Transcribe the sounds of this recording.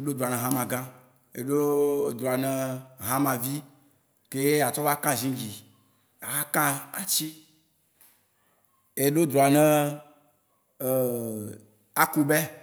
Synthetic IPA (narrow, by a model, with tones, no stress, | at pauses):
e˦ɖo˦d̪ɾu˨a˨nɛ̃˨ɦã˦mã˨ɡã˦ | e˨ɖo˦d̪ɾu˨a˨nɛ̃˦ɦã˦mã˨vi˦ | ke˦je˦a˨t͡ʃɔ˦va˦kã˦zĩ˦d͡ʒi˨ | a˨ɣa˦kã˦a˨t͡ɕi˦ | e˦ɖo˦d̪ɾu˨a˨nɛ̃˦˨ | a˦ku˦bɛ˦